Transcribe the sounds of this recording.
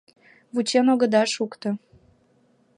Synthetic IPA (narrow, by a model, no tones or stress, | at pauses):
βut͡ɕenoɣə̆d̪ɑʃukt̪ŏ